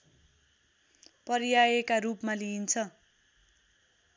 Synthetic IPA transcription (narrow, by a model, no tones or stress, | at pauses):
pʌɾijajekarupmaliint͡sʰʌ